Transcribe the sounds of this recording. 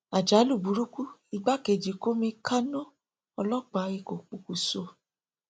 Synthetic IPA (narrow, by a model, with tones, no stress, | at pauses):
a˨d͡ʒa˨˦lu˦˨bu˨˦ɾu˦ku˦i˧ɡ͡ba˦ke˨d͡ʒi˨ko˦mĩ˧kʰa˦nɔ̃˦ | ɔ˧lɔ˦k͡pa˨˦i˧˨ko˨k͡pu˨ku˨so˧